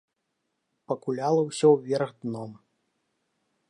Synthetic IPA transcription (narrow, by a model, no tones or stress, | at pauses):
pɐkulʲalˠɐwsʲɔwvʲɛrɣd̪nɔm